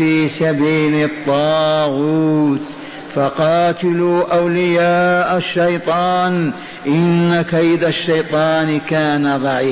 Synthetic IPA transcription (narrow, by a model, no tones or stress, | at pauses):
fiːsabiːlɪt̪ˤːɑːɣuːt̪ | fɑqɑːt̪ɪluːʔawlɪjaːʔaʃːajt̪ˤɑːn | ʔɪnːakaʔɪd̪aʃːajt̪ˤɑːnkaːnaðˤɑʕiː